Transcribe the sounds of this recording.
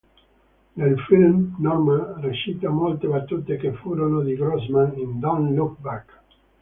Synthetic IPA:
nelfilmnɔrmanreʃit̪amolt̪ebat̪ːut̪ekefːuːɾonod̪iɡɾɔzmanind̪anlukbak

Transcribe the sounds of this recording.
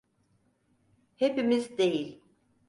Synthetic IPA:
hepimizd̪e̞jilʲ

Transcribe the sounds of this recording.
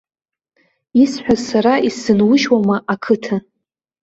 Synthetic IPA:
isħʷᶣazsaɾaʔisɨnwʊʒwamaʔakʰɨtʰa

